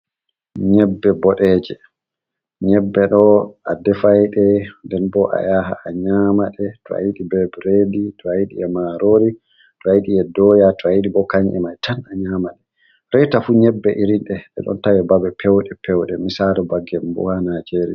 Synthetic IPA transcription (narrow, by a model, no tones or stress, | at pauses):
ɲɛbːɛbɔɗɛːd͡ʒɛ | ɲɛbːɛɗɔadɛfajɗɛndɛnbɔʔa̰jaɦa̰aɲamaɗɛtɔa̰jiɗibɛbɾeditʰɔajiɗḭɛmaɾoɾi | tɔajiɗiɛdɔjatɔajiɗibɔkaɲʔɛ̰majtʰanaɲamaɗɛ | ɾɛjtafuːɲɛbːɛʔiɾinɗɛʔɛ̰ɗɔ̰ntawɛbabɛpʰɛwɗɛpʰɛwɗɛmisaɾɛbaɡːɛmbṵhanad͡ʒeɾḭ